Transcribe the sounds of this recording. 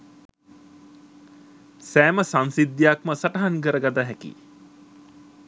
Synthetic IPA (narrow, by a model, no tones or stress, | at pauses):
sæːməsansid̪ːjakməsaʈɐɦankəɾəɡad̪aɦɛkḭ